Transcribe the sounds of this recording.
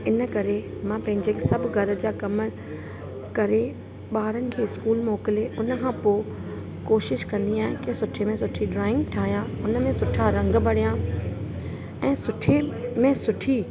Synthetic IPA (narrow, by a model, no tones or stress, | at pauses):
ɪnə̆kɐɾe | mãpɐ̃ɦɪ̃ɲd͡ʑekʰesɐbʱɡʱɐɾə̆d͡ʑaːkɐmə | kɐɾe | ɓaːɾənɪ̆kʰeːɪskuːlmoːkɪleʔʊnə̆kʰãːpoː | koːʃɪʃkɐ̃nd̪iaːɦɪ̃kɪsʊʈʰemẽsʊʈʰiɖɾaːɪ̃ŋɡʈʰaːɦijãʊnə̆mẽsʊʈʰaɾɐ̃ŋɡbɐɽ̤ijãː | ɛ̃ːsʊʈʰemẽsʊʈʰi